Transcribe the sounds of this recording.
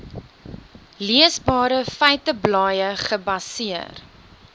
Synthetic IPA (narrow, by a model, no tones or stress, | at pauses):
liəsbɑːɾəfəɥtəblɑːjəχəbɐsiər